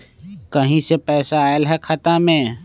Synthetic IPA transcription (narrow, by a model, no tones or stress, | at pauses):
kɐɦĩsepɛːsaːəlɦɛkʰɐt̪amẽː